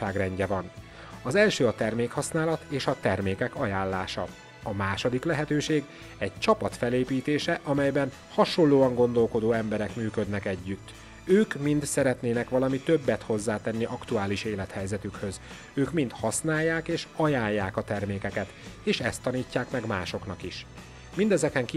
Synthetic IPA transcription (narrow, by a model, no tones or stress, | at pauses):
aːɡrɛɲɟɛvɒn | ɒzɛlʃøːɒt̪ɛrmeːkhɒsnaːlɒt̪eːʃɒt̪ɛrmeːkɛkɒjaːllːaːʃɒ̰ | ɒmaːʃo̞d̪iklɛɦɛt̪øːʃeːɡ | ɛɟ̚t͡ʃɒpɒt̪fɛleːpiːt̪eːʃɛʔɒmɛjbɛn | hɒʃo̞lːoːɒŋɡo̞n̪d̪o̞lko̞d̪oːɛmbɛɾɛkmyːkød̪nɛkɛɟːyt̪ː | øːkmint̪sɛɾɛt̪neːnɛkʋɒlɒmit̪øbːɛt̪ho̞zːaːt̪ɛnːiʔɒkt̪uaːliʃeːlɛt̪hɛjzɛt̪ykhø̞z | øːkmint̪hɒsnaːjːaːkeːʃɒjaːjːaːkɒt̪ɛrmeːkɛkɛt̪eːʃɛst̪ːɒniːcːaːkmɛɡma̰ːʃo̞knɒkiʃ | mind̪ɛzɛkɛŋk